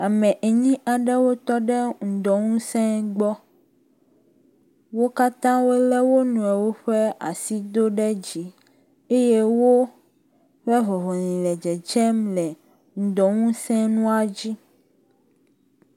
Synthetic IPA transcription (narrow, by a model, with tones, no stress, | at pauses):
a˨mɛ̃˨ʔe˨ɲĩ˦ʔa˨ɖɛ˦wo˦t̪ɔ˦ɖɛ˦ŋ̩˨d̪ɔ˨ŋũ˦sɛ̃˦ɡ͡bɔ˦ | wo˦ka˦t̪ã˦wo˦lɛ˦wo˦nũ˨ɛ˨wo˦ɸɛ˦a̰˨si˦d̪o˦ɖɛ˦d͡ʑi˦ | e˦je˦wo˦ | ɸɛ˦ɦɔ˨ɦɔ˨nĩ˨lɛ˨d͡ʒɛ˨t͡ʃɛ˦mlɛ˨ | ŋ̩˨d̪ɔ˨ŋũ˦sɛ̃˦nũ˦a˨d͡ʑi˦